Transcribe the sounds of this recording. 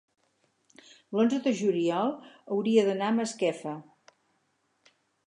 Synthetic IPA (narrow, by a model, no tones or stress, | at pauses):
lonzəðəʒuliɔlˠəwɾiəðənaməskɛfə